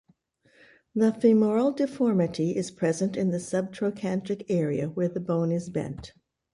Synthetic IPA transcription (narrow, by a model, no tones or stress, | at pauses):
ðəfɪmɔɹl̩ˠdɨfɔɹmɨɾiʔɪz̥pʰɹ̥ɛzɨ̃ntɨ̃nðɨsʌb̚tʰɹ̥oʊkʰæ̃ntɨkɛɹiɨwə˞ðɨbõʊ̃nɨzbɛ̰̃nt